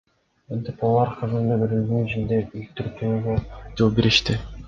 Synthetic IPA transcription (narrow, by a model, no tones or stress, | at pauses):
mint̪epɑlˠɑɾqʰɯzɯnd̪ɯbeɾyld̪ynyt͡ʃind̪eylt̪yɾt̪ʰyːɡød͡ʒolˠbeɾiʃt̪ɪ